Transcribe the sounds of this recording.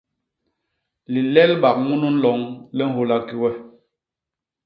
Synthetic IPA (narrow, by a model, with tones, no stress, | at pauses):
li˨lɛ˦lɓa˨k̚mu˦nu˦n̩˦lɔ˨˦ŋlɛ˦n̩˦ɦo˦la˦ki˦wɛ˦